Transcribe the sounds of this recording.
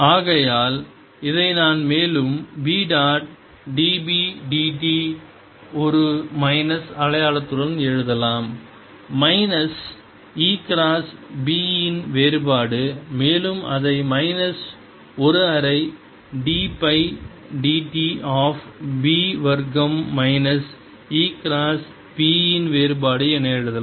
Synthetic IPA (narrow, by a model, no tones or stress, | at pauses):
aːɣɐjaːl | ɪðɐɪnaːnmeːlɯmbiːɖaːʈ̚ | ɖiːbiɖiːʈi | ɔɾɯmɐɪnɐsɐɭɐjaːlɐt̪ːɯɽɐnɛɻɯðɐlaːmː | ɐɪnɐs | iːkɾaːsbiːɪnʋeːɾɯbaːɽɯmeːlɯmɐ̰ðɐɪmɐɪnɐs | ɔɾɯɐɾɐɪ | ɖiːpɐɪ | ɖiːʈiʔaːfbiːʋɐɾɡɐmːɐɪnɐs | iːkɾaːs | biːɪnʋeːɾɯbaːɽɯɛnɐɛɻɯðɐ